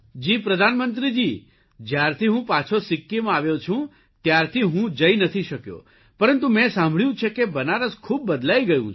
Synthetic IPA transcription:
d͡ʒipɾəd̪ʱanmənt̪ɾid͡ʒi | d͡ʒjaɾt̪ʰiɦũpat͡ʃʰosɪkːimãaʋjot͡ʃʰũ | t̪jaɾt̪ʰiɦũd͡ʒəinət̪ʰiʃəkjo̰ | pəɾənt̪umɛ̃sãmbʱɭjũt͡ʃʰekebənaɾəskʰub̚ːəd̪laiɡəjũ

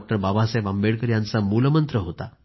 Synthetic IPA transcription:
k̚ʈəɾbabasajʋambeɽkəɾjant͡samuləmənt̪ɾəɦot̪a̰

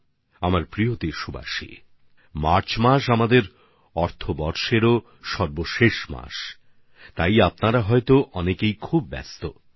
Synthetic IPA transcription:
amaɾpɾiot̪iʃuba̰ʃḭ | maɾt͡ɕʰmaʃ̬amad̪eɾ | ɔɾt̪ʰobɔɾʃeɾo | ʃɔɾboʃeʃma̰ʃ | t̪ajapnaɾaɦɔet̪oʔɔnekejkʰub̚ːɛ̰st̪o

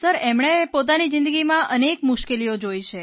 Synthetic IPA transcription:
səɾemɳepot̪̬anizɪ̃nd̪əɡimãʔənekmʊʃkelijod͡ʒoiʃe

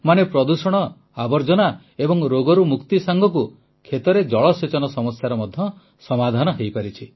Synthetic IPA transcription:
manepɾɔd̪usɔɽ̃ɔ | abɔɾd͡ʒɔna | ebɔŋɾoɡɔɾumukt̪isaŋɡʱɔk̬u | kʰet̪ɔɾed͡ʒɔɭɔset͡ʃɔnɔsɔmɔsjaɾɔmɔd̪ʱjɔ | sɔmad̪ʱanɔɦejpaɾit͡ʃʰi

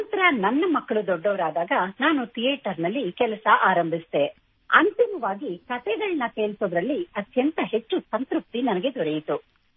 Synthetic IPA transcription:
ɐnt̪ɐɾɐnɐnːɐmɐkːɐɭud̪ɔɖːɐʋɐɾaːd̪aːɡɐnaːnut̪ʰijeːʈɐɾnɐlːikɛlɐsɐʔaːɾɐmbʱisd̪e | ɐ̰nt̪imɐʋaːɡikɐt̪ɛːɡ̪ɐɭnɐkeːlsoːd̪ɾɐlːiɐt̪jɐnt̪ɐɦe̞t͡ʃːusɐnt̪ɾup̚t̪inɐnɐɡe̞d̪ɔɾejit̪u

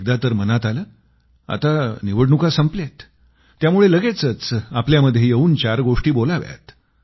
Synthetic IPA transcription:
k̚d̪at̪əɾmənat̪aləː | a̰t̪aniʋəɽɳukasəmplet̪ː | jamuɭeləɡet͡sət͡sapljaməd̪ʱjejeuːnt͡ɕaɾɡoʂʈiːbolaʋja̰t̪

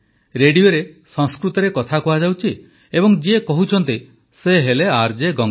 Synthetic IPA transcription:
ɾeɽijoɾesɔŋskɾut̪ɔɾekɔt̪ʰakuad͡ʒawt͡ʃʰi | ebɔŋd͡ʒiekɔɦut͡ʃʰɔnt̪i | seɦeleaɾd͡ʒeɡɔŋ

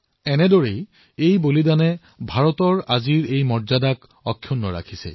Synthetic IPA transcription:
ɛnɛdɔɹej | ejbolidanɛ | bʱaɹɔtɔɹaziɹejmɔɹzadak | ɔkʰːjunːɔɹa̰kʰisɛ̰

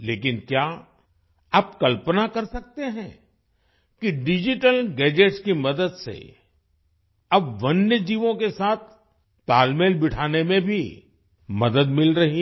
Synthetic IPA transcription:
leːkɪnkjaː | aːpkɐlpənakɐɾsɐk̚t̪eɦɛ̃ | kiɖɪd͡ʒɪʈəlɡɛːd͡ʒeːʈskimɐd̪əd̪sḛ | ɐbʋɐnjəd͡ʒiːʋõkesaːt̪ʰ | paːlmeːlbɪʈʰaːnemẽbʱi | mɐd̪əd̪mɪlɾɐɦi

